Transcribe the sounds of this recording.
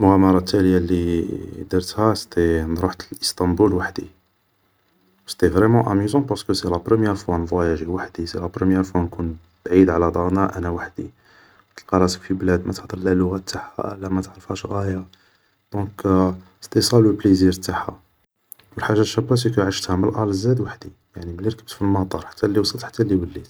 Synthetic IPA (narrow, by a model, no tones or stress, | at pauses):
lmʊɣæmɑɾˤɑt̪ːæləjalid̪iɾt̪hæst̪end̪ɾuħt̪əlʔəst̪ɑ̃mbulwaħd̪i | wst̪evʁɛmɑ̃ʔæmyzɑ̃pɑʁsə̥kəselæpɾəmjɛɾfwænvwæjæʒiwaħd̪iselæpɾəmjɛɾfwænkun | b̥ʕid̪ʕlæd̪ˤɑnæʔænæwaħd̪i | t̪ːəlqɑɾˤɑsə̥kfiblæd̪mæt̪əħd̪ˤəɾˤlælːʊɣæt̪ːaħha̰ʔə̰lːæmæt̪ʕɾˤəfhæʃɣæja | d̪̥ɔ̃k | st̪isˤɑləlpliziɾt̪aħa̰ | wəlħaʒːaʃæbːæsikəʕaʃt̪hæməlʔæləzːæd̪waħd̪i | jaʕniməliɾkəb̚t̪filmɑt̪ˤɑɾˤħḁt̪ʰːælːiwsˤəlt̪ħḁt̪ːælːiwəlːit̪